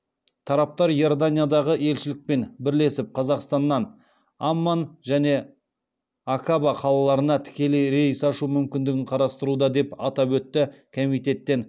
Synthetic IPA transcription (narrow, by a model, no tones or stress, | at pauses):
t̪ʰɑɾɑp̚t̪ɑɾjo̞rd̪anʲijad̪ɑʁəe̞lʃɪlɪk̚pe̞nbɪɾle̞sɪp̚qʰɑzɑqst̪ɑnːɑn | amːanʒæne̞ | akʰabɑqʰɑlˠɑlˠɑɾənɑt̪ʰɪ̥kʲe̞lejɾesɑʃumʏmkʲɪnd̪ɪɡʲɪɴqʰɑɾɑst̪əɾud̪ɑd̪e̞pɑ̰t̪ɑpwɵt̪ːɪkʰo̞mijt̪e̞t̪ːe̞n